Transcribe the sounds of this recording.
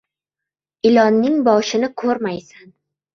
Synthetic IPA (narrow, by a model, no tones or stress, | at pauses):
ɪlɒnːɪŋbɒʃɪnɪkʰɵɾmajsan